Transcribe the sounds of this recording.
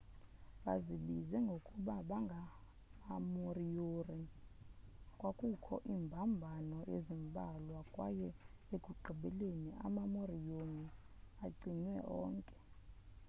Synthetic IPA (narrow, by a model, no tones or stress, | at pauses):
ɓaziɓizɛŋɡʱokʼuɓaɓaŋɡʱaː | morijori | kʼwakʼukʰɔ̰ʔimbʱambʱanɔʔḛzimbʼʱalwakʼwa̰jɛ | eɡʱuǃʱiɓɛleniʔa̰mamorijoni | aǀiɲwɛɔ̰ːŋkʼɛ̥